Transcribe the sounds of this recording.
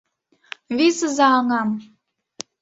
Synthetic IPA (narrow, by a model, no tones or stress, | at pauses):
βisəzɑːŋɑm